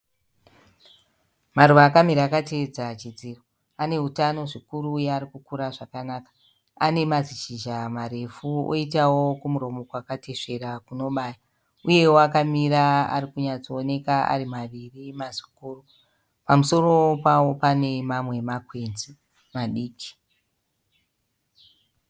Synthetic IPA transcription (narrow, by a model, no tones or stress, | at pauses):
maruʋaːkamiɾaːkated͡zat͡ʃid͡ziro | ane̞ɦutano̞ʐikuɾuːjeaɾikukuɾaʐakanaːkḁ | ane̞maziʃiʒamaɾe̞fuo̰itawo̞kumuɾo̞mo̞kwakate̞ʂe̞ɾakuno̞ɓaːja | uje̞woakamiɾaa̰ɾikuɲat͡soone̞kaa̰rimaʋirimazi̥kuːru | pamuso̞ro̞pawo̞pane̞mamwe̞makwe̞nzi | maɗiːki̥